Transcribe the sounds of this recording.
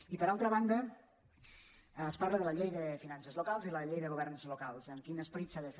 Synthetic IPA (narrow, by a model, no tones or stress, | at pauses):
ipəɾalˠt̪ɾəβ̞and̪ə | sparləðələʎejðəfinansəzlukalˠziləʎejðəɣuβ̞ɛrnzlukalˠzəmkinəspɾisaðəf